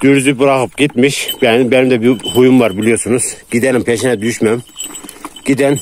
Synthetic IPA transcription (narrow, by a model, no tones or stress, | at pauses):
d̪̥yɾyzybuɾɑxɯpɡit̪miʃbbænimd̪ɛbihujumvɑɾbilijoɾsunuz̥ɡ̥id̪ænimpʰɛʃinɛd̪yyʃmæm | ɡ̥id̪æn